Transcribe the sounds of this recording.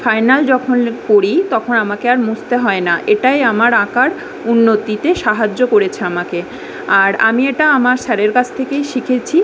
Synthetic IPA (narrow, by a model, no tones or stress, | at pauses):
fajnald͡ʑɔkʰonkoɾit̪ɔkʰonamakeaɾmust̪eɦɔenaʔeʈajamaɾakaɾ | unːot̪it̪eʃaɦad͡ʑːokoɾet͡ɕʰeamake | aɾa̰mieʈaamaɾʃɛɾeɾkat͡ɕʰt̪ʰekejʃikʰet͡ɕʰi